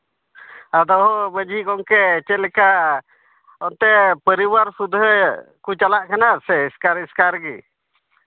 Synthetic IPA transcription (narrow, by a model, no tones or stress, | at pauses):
ad̪ɔɦɔbəd͡ʒʱikɔŋkɛːt͡ʃɛlɛka | ɔnt̪ɛpəɾibaɾsud̪ʱɦəkut͡ʃalaʔkɛnasɛiskaɾiskaɾɡḭ